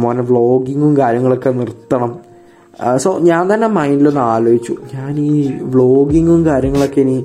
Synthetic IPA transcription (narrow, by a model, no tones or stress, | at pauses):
moːneʋɭo̞ːɡiŋɡumkaːɾjɐŋːɐɭo̞kːe̞nirt̪ːɐɳɐm | soːɲaːnt̪ɐnːemɐjndilonːaːlojit͡ɕːuɲaːniːʋɭo̞ːɡiŋɡumkaːɾjɐŋːɐɭo̞kːe̞ːni